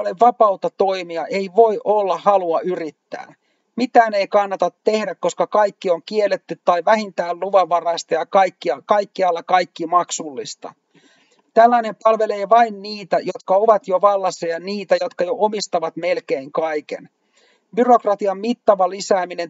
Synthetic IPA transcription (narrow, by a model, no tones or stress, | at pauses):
oleʋɑpɑut̪ɑt̪o̞imiɑʔeiʋo̞iʔolːɑhɑluɑyrit̪ːæ̰ː | mit̪æːne̞ikɑnːɑt̪ɑt̪te̞hdækko̞skɑkɑjkːioŋkielːet̪ːyt̪ːɑiʋæhint̪æːlluʋɑʋːɑrɑist̪ɑjɑkɑikːiɑkɑikːiɑlːɑkɑjkːimɑksulːist̪ɑ̰ | t̪ælːæinempɑlʋe̞leːʋɑinniːt̪æjo̞t̪kɑoʋɑt̪joʋɑlːɑsːɑjɑniːt̪æjo̞t̪kɑjoʔomist̪ɑʋɑt̪melke̞iŋkɑjkḛn | byro̞krɑt̪iɑmmit̪ːɑʋɑlisæːmine̞n